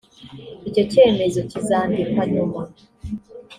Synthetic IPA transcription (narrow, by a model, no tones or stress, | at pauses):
ico̞ceːme̞zo̞cisaːndikaɲuma